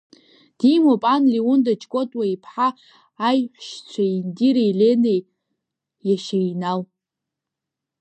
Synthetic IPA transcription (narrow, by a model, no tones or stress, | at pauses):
d̥imopʼanliwʊndat͡ʃʰʼkʷʼotʼwaipʰħaː | jħʷʃt͡sʷʰaindiɾejlenej | jaʃajnal